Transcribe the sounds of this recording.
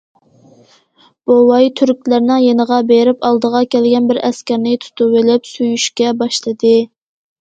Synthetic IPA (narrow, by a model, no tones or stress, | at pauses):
b̥owɑjt̪ʰyɾkʲlæɾnɨŋjenəʁɑbeɾɪpɑlˠd̪əʁɑkʲʰɛlɡʲɛnbɪɾɛskʲæɾnɪt̪ʰu̥t̪uwɪlɪpsyjyʃkʲɛbɑʃlˠɨd̪ɨ